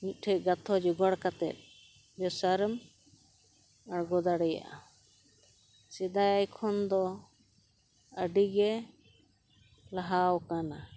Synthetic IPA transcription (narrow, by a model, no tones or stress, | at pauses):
mit̪̚ˀʈʰɛj̚ˀɡat̪ʰɔd͡ʒiɡɔɽkat̪ɛ̰t̪̚ | bɛsaɾm | aɽɡɔd̪aɽɛja̰ʔa | sɛd̪ajajkʰɔnd̪ɔ | əɖiɡɛ | laɦawkana